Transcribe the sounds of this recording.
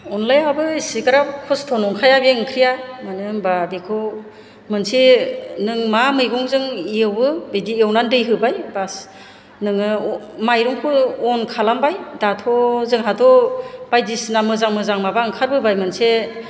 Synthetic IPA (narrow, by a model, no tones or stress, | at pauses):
ɔnlajabɯisikɯɾakʰɔstʰɔnɔŋkʰajabeɯŋkʰɾijamanɯbabekʰɯ | mɯnsenɯŋmamɯjɡɔŋzɯŋijɯwɯbediewnandɯjɦɯbajbas | nɯŋɯmajɾɔŋkʰuɔnkʰalambajdatʰɔzɯŋɦatʰɔb̥ajdisnamɯzaŋmɯzaŋmabaɯŋkʰaɾbɯbajmɯnse